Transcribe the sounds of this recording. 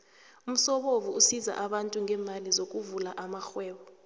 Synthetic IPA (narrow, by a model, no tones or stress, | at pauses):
um̩sɔɓovuusiza̰ʔaɓantʼuŋʱɛːmalizok̬ʼuvulaʔamaxwɛːwɔ